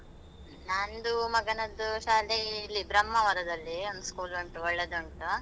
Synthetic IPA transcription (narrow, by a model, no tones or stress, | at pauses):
nand̪umɐɡɐnɐd̪ːuʃaːleːlːibɾɐmːɐʋɐɾɐd̪ɐlːiond̪uskuːlɐɳʈuɔɭːed̪uɳʈu